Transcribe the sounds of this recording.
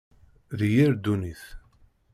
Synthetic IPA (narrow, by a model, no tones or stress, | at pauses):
ðjiɾd̪uniθ